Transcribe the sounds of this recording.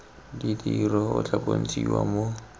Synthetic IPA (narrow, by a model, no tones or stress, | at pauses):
didirɔʊt͡ɬʼabʼon̩t͡sʼiwamo